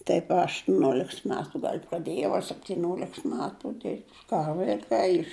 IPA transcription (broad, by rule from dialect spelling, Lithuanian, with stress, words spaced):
ˈtɐɪp ɐ ɐʃtʊˈnʲoːlʲɛks ˈmʲæːtʊ ɡɐlʲ prɐˈdʲeːjɛʊ ɐ sʲɛpʲtʲɪˈnʲoːlʲɛks ˈmʲæːtʊ dʲɪrʲpʲtʲ ˈkɑː ʋɐɪˈkɐɪ ɪʃ